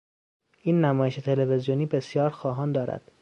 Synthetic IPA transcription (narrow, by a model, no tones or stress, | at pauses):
ʔiːnːæmɒːjeʃet̪ʰe̞levezijoniːbe̞sjɒːɾxɒːɦɒːnd̪ɒːɾæ̰d̪̥